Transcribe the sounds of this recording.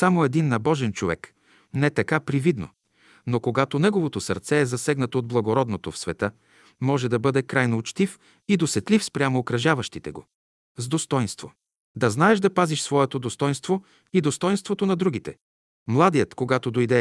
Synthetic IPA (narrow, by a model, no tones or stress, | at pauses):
samoɛd̪inːɐbɔʒɛnt͡ʃovɛ̰k | nɛt̪ɐkapɾivid̪no̰ | nokoɡat̪onɛɡovot̪osɐ̰ɾt̪sɛːzɐsɛɡnɐt̪oːd̪blˠɐɡoɾɔd̪not̪ofsvɛt̪ɤ | mɔʒɛd̪ɐbɤd̪ɛkɾajnoːt͡ʃt̪if | id̪osɛt̪lifspɾʲamoːkɾɐʒavɐʃt̪it̪ɛ̰ɡo̰ | zd̪ost̪ɔjnst̪vo | d̪ɐznaɛʒd̪ɐpaziʃsvɔɛt̪od̪ost̪ɔjnst̪vo | id̪ost̪ɔjnst̪vot̪onɐd̪ɾuɡ̟it̪ɛ | mlˠad̪ijət̪koɡat̪od̪ojd̪ɛ